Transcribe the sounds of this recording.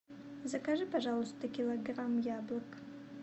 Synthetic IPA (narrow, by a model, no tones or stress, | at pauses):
zakʰaʐɨpʰaʐalostt̪ʰakʲiloɡramjablakʼ